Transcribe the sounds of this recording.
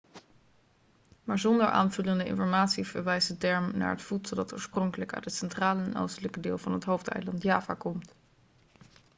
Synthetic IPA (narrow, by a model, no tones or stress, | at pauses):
maːɹzɔndəɹʔa̰ːnv̥ɵləndəɪ̰̃nfɔɹmaːtsiv̥əɹʋɛjsətɛɹmna̰ːɹɦətfutsəlˠdɑtoːɹsprɔŋkələka̰tətsɛntraːləɛno̰wstələkədɪːlˠvɑnɦətɦowftɛ̰jlɑntjaːva̰kɔmt